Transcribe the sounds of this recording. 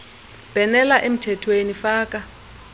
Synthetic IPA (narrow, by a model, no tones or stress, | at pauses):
b̥ʱɛnɛlaʔem̩tʰɛtʰwenifaːk̬ʼa